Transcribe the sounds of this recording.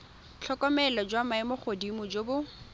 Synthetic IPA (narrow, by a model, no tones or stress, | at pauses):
t͡ɬʰɔkɔmɛlɔd͡ʒwamaɪmoχʰodimʊd͡ʒobʊ